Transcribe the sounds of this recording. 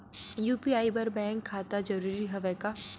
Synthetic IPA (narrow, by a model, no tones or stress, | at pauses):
juːpiaːibɐɾbɛ̃ːŋkʰːaːt̪ad͡ʒɐɾuːɾiɦɐʋɛka